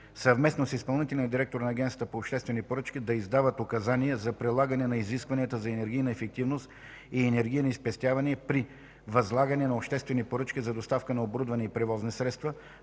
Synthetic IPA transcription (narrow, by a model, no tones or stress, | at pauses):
sɐvmɛsnosispɐlˠnit̪ɛlʲinɐd̪iɾɛk̚t̪oɾnɐːɡʲɛnət̪əpoːpʃt̪ɛst̪vɛnipoɾɤt͡ʃk̟ʲid̪ɐizd̪avət̪okɐzanijɛzɐpɾɛlˠaɡənɛnɐiziskvɐnʲiət̪əzɐɛnɛɾɡʲijnɐɛfɛk̚t̪ivnost̪ | iɛnɛɾɡʲijnəispɛst̪ʲavɐniəpɾi | vɐzlˠaɡɐnɛnɐopʃt̪ɛst̪vɛnipoɾɤt͡ʃk̟ʲizɐd̪ost̪afkənɐobɾud̪vɐnɛipɾɛvɔznisɾɛt̪st̪və